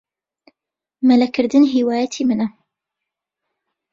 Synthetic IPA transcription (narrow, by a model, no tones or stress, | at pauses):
mɐlɐkʰɨɾd̪ɨnɦiːwaːjɐt̪ʰimɨnɐ